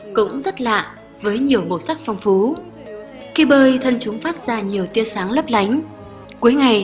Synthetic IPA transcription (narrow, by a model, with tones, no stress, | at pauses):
kʊ̰˧˥ŋ͡mzə˦˥t̚la̰ː˧˨ | vəː˨˦jɲi˨˩əwmo˨˧˩sa˦˥k̚fɔ˧wŋ͡mfu˨˦ | ki˧ɓəː˧jt̪ʰə˧nt͡ɕʊ˨˦ŋ͡mfaː˦˥t̚z̥aː˧˩ɲi˨˩əwt̪i˧əsaː˨˦ŋlə˦˥p̚la˨˦jŋ̟ | ku˨˦əjŋa˨˩j